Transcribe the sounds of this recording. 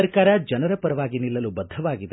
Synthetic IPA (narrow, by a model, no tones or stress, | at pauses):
ɐɾkaːɾɐd͡ʒɐnɐɾɐpɐɾɐʋaːɡinilːɐlubɐd̪ʱːɐʋaːɡid̪e